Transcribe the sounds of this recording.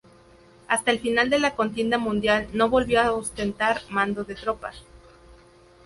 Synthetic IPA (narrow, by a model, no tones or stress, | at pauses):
ast̪aelfinald̪e̞lako̞nt̪je̞nd̪amũnd̪jalno̞βo̞lβjoaost̪e̞nt̪aɾmãnd̪o̞ðet̪ɾo̞pa̰